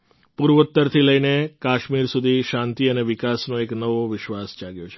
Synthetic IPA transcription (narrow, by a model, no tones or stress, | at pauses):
puɾʋut̪ːəɾt̪ʰiləjnekaʃmiɾsud̪ʱiʃãnt̪iəneʋɪkasnoeknəʋoʋɪʃʋasd͡ʒaɡjot͡ʃʰe̥